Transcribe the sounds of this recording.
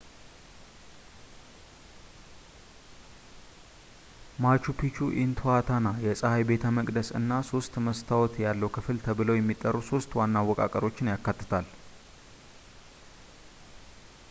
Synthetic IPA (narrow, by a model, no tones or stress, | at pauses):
mat͡ʃupʰit͡ʃuʔint̪ʰuat̪ʰanajɛsʼəhajbe̞t̪ʰəməkʼd̪əsɨ̰nːaso̞st̪məst̪ʰawɔt̪jalːəwkʰɨfɨlt̪ʰəβɨləwjɛmːit̪ʼːərːuso̞st̪wanːawːɔkʼa̰kʼəɾo̞t͡ʃːɪnjakːat̪ːɨ̥t̪ʰal